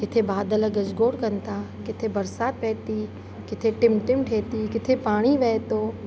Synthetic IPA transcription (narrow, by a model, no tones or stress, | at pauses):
kɪt̪ʰebaːd̪əlɡɐd͡ʒɡoːɽkɐnt̪aːkɪt̪ʰebɐɾsaːt̪pɛːt̪i | kɪt̪ʰeʈɪmʈɪmʈʰeːt̪ikɪt̪ʰepaːɽ̃iʋɛːt̪oː